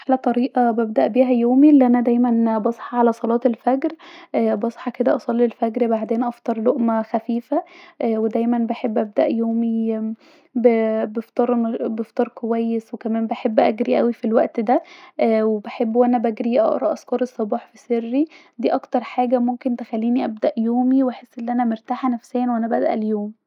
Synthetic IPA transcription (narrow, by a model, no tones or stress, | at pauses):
ħlæt̪ˤɑɾiːʔɑbæb̚d̪æʔbiːɦæjoːmilːiʔænæd̪æjmænbɑsˤħɑʕalæsˤɑlɑːt̪elfæɡɾbɑsˤħɑked̪æʔɑsˤɑlːilfæɡɾbaʕd̪eːnʔɑft̪ˤɑɾˤloʔmæxæfiːfæʔwed̪æjmænbeħebːʔæb̚d̪æʔjoːmi | bebeft̪ˤɑɾˤbeft̪ˤɑɾˤkowæjːeswekæmæːmbæħebːʔæ̰ɡɾiʔæwifilwæʔt̪d̪æʔwebeħebːwʔænæbæɡɾiʔɑ̰ʔɾˤɑʔɑskɑɾˤesˤːɑbɑːħfiserːid̪iːʔɑkt̪ɑɾˤħaːɡæmomkent̪exælːiːniʔæb̚d̪æʔjoːmiwʔæħesːʔenːʔænæmeɾt̪aːħænæfsæːænwʔænæbæd̪æ̰ʔæljoːm